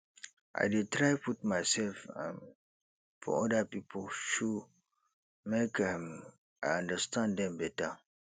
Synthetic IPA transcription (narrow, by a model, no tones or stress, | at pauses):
ʔa̰ɪdetɹaɪput̚majsɛlfã̰ | fɔ̰ɔdəpipʰəlʃu | mekam | ajãndəstãndɛ̃mbɛtə